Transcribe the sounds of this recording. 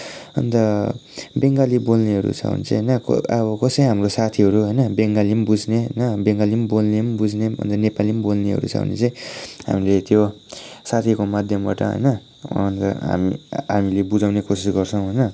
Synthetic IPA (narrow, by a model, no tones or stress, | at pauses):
ʌ̰nt̪ʌ | beŋɡalibolneɦʌɾṵt͡sʰʌ̰ɦṵnit͡sʌ̃ɦjnʌkʌ̰ʌbʌkʌsʌjɦamrosat̪ʰiɦʌɾuɦʌjnʌbeŋɡalimbud͡zneɦʌ̰jnʌbeŋɡalimbolnembud͡zneʌ̰nt̪ʌnepalimbolneɦʌ̰ɾṵt͡sʰʌ̰ɦṵnḭt͡sʌj̃ɦa̰milet̪jo | sat̪ʰikomad̪ʱjʌmba̰ʈʌ̰ɦʌ̰jnʌ | ʌ̰nt̪ʌ̰ɦa̰miɦamilebud͡zawnekosisɡʌrt͡sʰʌw̃ɦʌjnʌ